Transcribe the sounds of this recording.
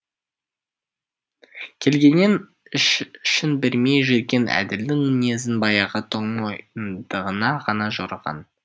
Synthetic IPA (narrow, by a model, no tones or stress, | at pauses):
kʲʰe̞lɡʲe̞nːen | ɪʃʃɪnbɪɾme̞jʒe̞t̪̚ɡʲe̞nʔæ̰d̪ɪld̪ɪŋɪne̞zɪnbɑjɑʁət̪ʰoɴojnd̪̥əʁənɑʁɑnɑʒoɾəʁɑ̰n